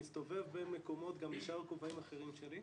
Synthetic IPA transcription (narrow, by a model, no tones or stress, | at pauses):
ist̪o̞ve̞vbenmeko̞mo̞t̪ɡambeʃaʁkovaimaχeʁimʃeli